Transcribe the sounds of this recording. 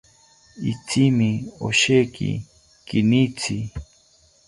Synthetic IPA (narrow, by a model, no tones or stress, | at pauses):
it͡simioʃekḭ | kinit͡sʰi